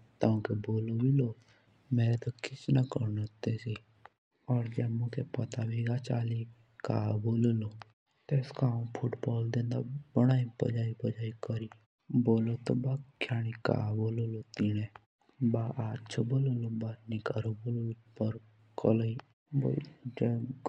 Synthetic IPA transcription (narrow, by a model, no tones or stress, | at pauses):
t̪aũkeboːlobʱiloː | meːɾet̪okɪt͡ʃnakəɾnot̪esi | ɔːɾd͡ʒɛːbmʊkʰepɐt̪abʱiɡat͡ʃaːli | ka̰ːboːlolo | t̪eːskaːũpʰʊʈbɔːld̪ẽːnd̪abəɽ̃aːipə̰d͡ʒaːipəd͡ʒaːikəɾi | boːlot̪o̰bakʰjaːɽ̃ika̰ːboːlolot̪iñẽ | baːʔaːt͡ʃʰoboːlolobanikaɾoboːloipəɾ | kʰələi | bo̰d͡ʒɛ